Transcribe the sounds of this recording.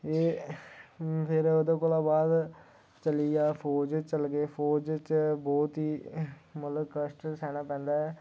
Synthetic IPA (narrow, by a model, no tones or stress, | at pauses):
eː | pʰɪɾod̪oːkoːlãːbaːd̪ | t͡ʃəlijaːpʰoːd͡ʒt͡ʃəlɡeːpʰoːd͡ʒt͡ʃbɔːt̪ɦiːmət̪ləbkəsʈsɛːñãːpɛ̃ːnd̪aːɛː